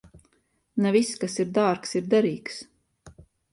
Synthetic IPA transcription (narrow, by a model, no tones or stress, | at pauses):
naviskasiɾd̪aːɾksiɾd̪ɛɾiːks